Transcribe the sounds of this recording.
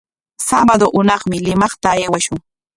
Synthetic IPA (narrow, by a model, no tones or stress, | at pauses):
sabad̪oʔʊnɑχmɪlɪmɑχt̪aːjwaʃʊŋ